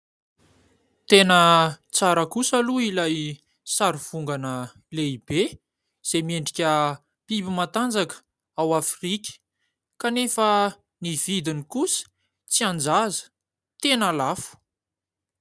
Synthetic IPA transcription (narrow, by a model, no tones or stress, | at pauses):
t̪enət͡saɾəkusaluilaj | saɾiv̥uŋɡanə | leib̥e | z̥emieɳɖ͡ʐikʲə | pibimat̪and͡zakə̥ | awafrikʲə̥ | kanefə | niv̥id̪inikusə̥ | t͡siand͡zazə̥ | t̪enalafu̥